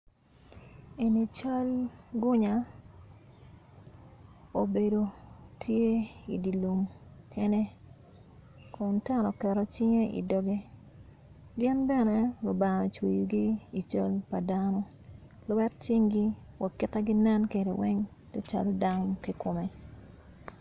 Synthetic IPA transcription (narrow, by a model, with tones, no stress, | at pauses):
e˨ni˨t͡ʃa˦lɡʊ˦ɲa˨ | o˨be˨do˨tʰje˦ḭ˨di˨lu˨mɛ˦nɛ˦ | kɔ˨nta˦nɔ˨kɛ˨ɾɔ˨t͡ʃɪ˦ŋe˦ʔḭ˨dɔ˨ɡe˦ | ɡjɛ˦nbɛ˦nɛ˦lʊ˨ba˨ŋa˨t͡ʃwe˨ju˨ɡiː˦˨t͡ʃa˦lpa˨danɔ˦ | lwɛ˦tt͡ʃi˦ŋɡi˦ | wa˨kɪ˦ta˦ɡi˦nɛ˦nke˨dḛ˨wɛ˦ŋ | tɛ˦t͡ʃa̰˨lɔ˦da˦ŋki˦ko˨me˨